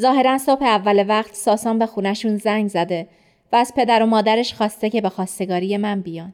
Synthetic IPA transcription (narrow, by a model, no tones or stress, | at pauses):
zɒːɦe̞ɾænso̞b̥heævːælevæɢt̪ʰsɒːsɒːnbe̞xuːnæʃunzæŋɡzæd̪e̞ | væːz̥pʰe̞d̪æɾo̞mɒːd̪æɾe̞ʃxɒːst̪e̞cʰe̞be̞xɒːst̪e̞ɡɒːɾije̞mænbijɒːn